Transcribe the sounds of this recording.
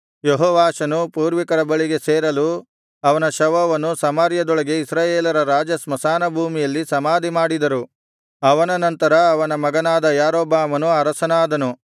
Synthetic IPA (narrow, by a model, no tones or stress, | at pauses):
jeɦɔːʋaːʃɐnupuːɾʋikɐɾɐbɐɭiɡe̞seːɾɐlu | ɐʋɐnɐʃɐʋɐʋɐnusɐmɐɾjɐd̪ɔɭɐɡe̞isɾaːjeːlɐɾɐɾaːd͡ʒɐsmɐsaːnɐbʱuːmijɐlːisɐmaːd̪ʱimaːɽid̪ɐɾu | ɐʋɐnɐnɐnt̪ɐɾɐːʋɐnɐmɐɡɐnaːd̪ɐjaːɾoːbaːmɐnuɐɾɐsɐnaːd̪ɐnu